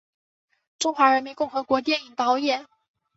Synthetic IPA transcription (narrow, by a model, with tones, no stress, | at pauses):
ʈ͡ʂʊ˥ŋxwa˧˥ɻə˧˥nmi˧˥nkʊ˥˩ŋxɤ˧˥kwɔ˧˥t̪̬jɛ˥˩ni˨˩ŋt̪ɑ˧˥ʊjɛ˥˩n